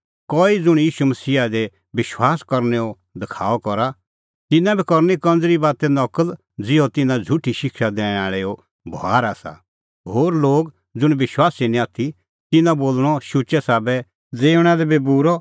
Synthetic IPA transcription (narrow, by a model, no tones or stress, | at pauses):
kɔːid͡zʊɽ̃jiːʃumɐsiːad̪ɛ | ʋɪʃwaːskɔɾnɛɔ | d̪ɪkʰaːɔkɔɾa | t̪ɪnãbʱikɔɾnikɐ̃nd͡zɾibaːt̪ɛnɐkəl | d͡zɪɔt̪ɪnãd͡zʱʊʈʰiʃɪkʃad̪ẽːɽɛ̃aːɭɛo | bʱa̰ːɾaːsa̰ | ɦoːɾloːɡ | d͡zʊɽ̃ʋɪʃwaːsinĩaːt̪ʰi | t̪ɪnãboːlɽ̃ɔʃʊt͡ʃɛsaːbɛ | d͡zeːʊɽ̃ad̪ɛbʱibuɾɔ